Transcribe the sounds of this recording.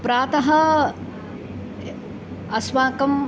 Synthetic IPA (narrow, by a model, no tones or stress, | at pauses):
pɾaːt̪ɐɦɐ | ɐswaːkɐm